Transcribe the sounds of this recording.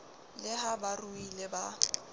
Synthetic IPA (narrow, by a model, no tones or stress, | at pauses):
lɪɦabaruilɪba